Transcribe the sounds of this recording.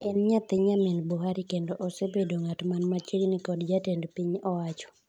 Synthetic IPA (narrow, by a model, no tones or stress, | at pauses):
ɛnɲat̪ɪɲamenboɦaɾikendoʔosebedoŋatmanmat͡ʃeŋnikɔdd͡ʒatendpiɲɔwat͡ʃɔ̥